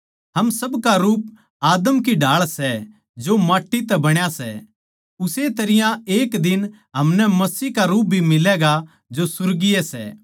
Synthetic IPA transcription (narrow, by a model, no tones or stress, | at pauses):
ɦɐmsɐbkaɾuːp̚ | aːd̪əmkiɖʱaːɭsɛ | d͡ʒomaːʈːit̪ɛbɐɽ̃jasɛ̰ | ʊset̪ɐɾɪjãeːkd̪ɪn | ɦɐmnɛmɐsiːɦkaɾuːp̚bʱimɪlɛɡa | d͡ʒosʊɾɡiɛsɛ̰ː